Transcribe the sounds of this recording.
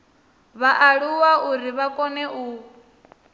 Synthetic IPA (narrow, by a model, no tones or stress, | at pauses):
βaʔaɺuwauɾiβakʼɔnɛʔuː